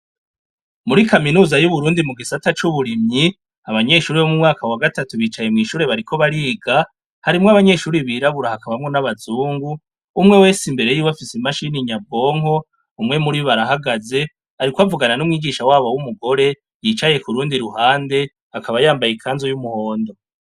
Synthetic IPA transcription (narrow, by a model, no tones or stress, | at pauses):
muɾikaminuːzajuβuɾuːndimuɡisatat͡ʃuβuɾimɲi | aβaɲe̞ʃuːɾiβomumŋaːkawaɡatatuβiːt͡ʃaje̞mŋiːʃuːɾe̞βaɾikʰo̞βaɾiːɡa | haɾimŋoaβaɲe̞ʃuːɾiβiɾaβuɾahakaβamŋo̞naβazuːŋɡuː | mŋe̞we̞ːsimbe̞ɾe̞jiwafisimaʃiniɲabo̞ːŋho̞ | umŋe̞muɾiβaɾaɦaɡaze̞ | aɾikwavuɡananumŋiːɡiʃawaːβowumuɡo̞ɾe̞ | jiːt͡ʃaje̞kuɾuːndiɾuhaːnde̞ | akʰaβajaːmbajikʰaːnzojumuho̞ːndo̞